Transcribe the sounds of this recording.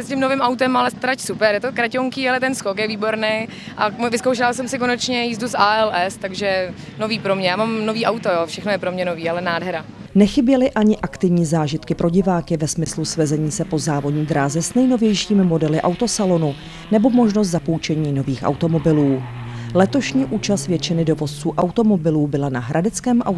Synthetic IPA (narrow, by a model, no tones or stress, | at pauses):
ɛscɪmnovɪmawt̪ɛmalɛst̪ɾacsupɛɾjɛt̪okɾacoŋkiːalɛt̪ɛnskokjɛviːbo̞ɾnej | ʔavɪskowʃɪlasɛmsɪkonɛt͡ʃɲɛjiːzdusaːɛlɛst̪aɡʒɛ | noviːpɾomɲɛjaːmamnoviːʔawt̪ojoːfʃɛxnojɛpɾomɲɛnoviːalɛnaːdɦɛɾanɛxɪbjɛlɪʔaɲɪʔakt̪ɪvɲiːzaːʒɪt̪kɪpɾʔo̞ɟɪvaːkɪvɛsmɪslusvɛzɛɲiːsɛpo̞zaːvo̞dɲiːd̪ɾaːzɛsnɛjno̞vjɛjʃiːmɪmo̞dɛlɪʔa̰wt̪o̞salo̞nu | nɛbo̞mo̞ʒnos̬t̪zapowt͡ʃɛɲiːno̞viːxʔa̰wt̪o̞mo̞bɪluːlɛt̪o̞ʃɲiːʔuːt͡ʃast̪vjɛt͡ʃɪnɪdo̞vo̞st͡suːʔawt̪o̞mo̞bɪluːbɪlanaɦɾʔadɛt͡skɛːmʔa̰